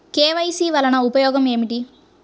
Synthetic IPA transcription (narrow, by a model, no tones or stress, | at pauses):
keːʋɐjsiːʋɐlɐnɐupɐjɔːɡɐme̞ːmiʈi